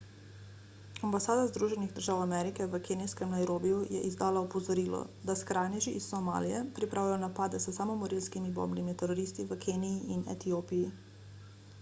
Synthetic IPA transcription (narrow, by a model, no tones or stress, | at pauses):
ambasaːd̪azd̪ɾuːʒɛniɣd̪əɾʒaːwamɛɾikɛʋəkeniskɛmnajɾoːbijujɛ̰ʔizd̪aːlaɔpɔzɔɾiːlɔ̰d̪askɾaːnɛʒiʔisːɔma̰ːlijɛpɾipɾʔaːwjajɔnapaːd̪ɛsəsamɔmɔɾilskimibo̰bnimit̪ɛɾɔɾiːst̪iʋəkʰeːniːʔinɛ̰t̪ijoːpiji